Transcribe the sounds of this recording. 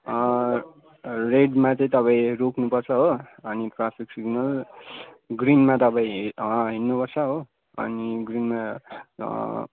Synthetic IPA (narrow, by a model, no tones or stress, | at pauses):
ʌ | reɖmat͡sʌĩt̪ʌpãĩrokʰnupʌrt͡sʰʌɦoʌniʈrapʰiksiɡnʌl | ɡrinmat̪ʌpãĩʌɦinːupʌrt͡sʰʌɦo | ʌ̰niɡrinma